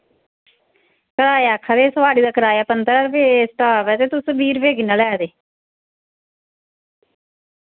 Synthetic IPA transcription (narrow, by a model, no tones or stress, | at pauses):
kəɾaːjaːkʰaːd̪eːsəʋaːɽiːd̪aːkəɾaːjaːpənd̪əɾaɾbeːsʈaːʋɛːt̪eːt̪ʊsbiːɾbeːɡinaːlɛːd̪eː